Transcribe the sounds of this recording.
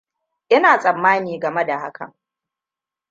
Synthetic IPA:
ʔɪ˦naː˨sʼɐ˨mːaː˦niː˨ɡɐ˨me˦da˨ha̰˦kʰɐ̰˨ŋ

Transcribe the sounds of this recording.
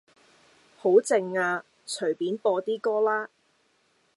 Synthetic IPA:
ho˨˥wt͡sɪ˧ŋaː˧ | t͡ʃʰɵ˨˩piː˨˥npɔː˧t̪iː˥kɔː˥laː˥

